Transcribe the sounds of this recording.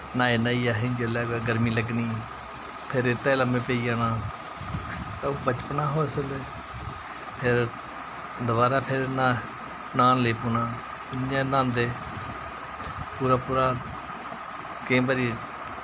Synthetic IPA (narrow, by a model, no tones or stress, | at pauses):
nãːeːnaːiːaːɦed͡ʒəlaːɡeːɡəɾmiːləɡniː | pʰɪɾɪt̪ːeːləmẽːpeːiːaːnãː | t̪aːbət͡ʃpnaːɦoːeseleː | pʰɪɾ | d̪ʊβaːɾaːpʰɪɾnãː | naːnleːpuːnãː | ɪãːnãːnd̪eː | puːɾaːpuːɾaː | kẽːbaɾiː